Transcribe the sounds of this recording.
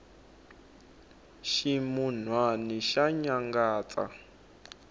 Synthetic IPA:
ʃimun̤waniʃaɲaŋɡaːt͡sa̰

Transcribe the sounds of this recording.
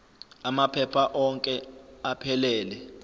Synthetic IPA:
amapʰɛpʰaʔɔŋkʼɛapʰɛlɛːlɛ

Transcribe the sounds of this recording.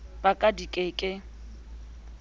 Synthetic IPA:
b̥akʼadikʼekʼɪ

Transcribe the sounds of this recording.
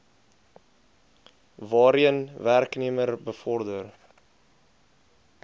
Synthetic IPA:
vɑːɾiənværkniəmərbəfɔrdər

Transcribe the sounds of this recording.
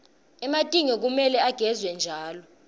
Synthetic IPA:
ɛmatʼiŋɛk̬umɛlɛaɡ̥ʱɛzwɛnd͡ʒʱaːlɔ

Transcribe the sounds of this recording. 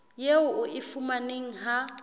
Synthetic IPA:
jeʊʔʊʔɪfʊmaneŋ̩ɦa

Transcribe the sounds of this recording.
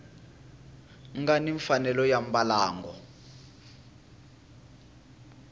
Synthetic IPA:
ŋɡaniɱfanɛlɔjam̩balaːŋɡɔ

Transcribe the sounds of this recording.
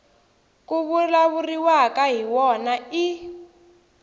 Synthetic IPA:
kuβulaβuriwakaɦiwɔnai

